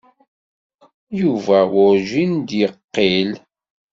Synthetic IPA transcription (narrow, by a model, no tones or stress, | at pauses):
juvæwʊɾʒind̪jəqːil